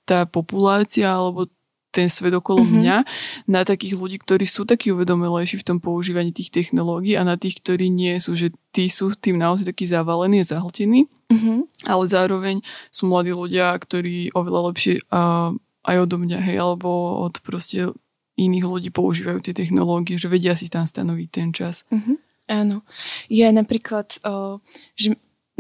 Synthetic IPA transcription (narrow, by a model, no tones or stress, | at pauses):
t̪aːpɔpulaːt͡siaalɛbɔ | t̪ɛnsʋɛd̪ɔkɔlɔmɲanat̪akiːɣluɟiːk̚t̪ɔɾiːsuːt̪akiːuʋɛd̪ɔmilɛjʃiːft̪ɔmpɔuʒiːʋaɲiːt̪iːxt̪ɛxnɔlɔːɡiːanat̪iːxkt̪ɔɾiːɲɪɛsuːʒɛt̪iːsuːt̪iːmnaɔzajt̪akiːzaʋalɛniːazaɦl̩cɛniː | ʔa̰lɛzaːɾɔʋɛɲsuːmlad̪iːluɟɪakt̪ɔɾiːʔɔʋɛlalɛpʃɪɛ | ʔa̰jɔd̪ɔmɲaɦɛjʔalɛbɔɔ̰t̪pɾɔscɛ | iniːɣluɟiːpɔuʒiːʋajṵːt̪ɪɛt̪ɛxnɔ̰lɔːɡiɛʒɛʋɛɟɪas̬it̪amst̪a̰nɔʋic̚t̪ɛnt͡ʃas̩ɦ̩ | aːnɔjɛnapɾiːklat̪ː | ʒɛ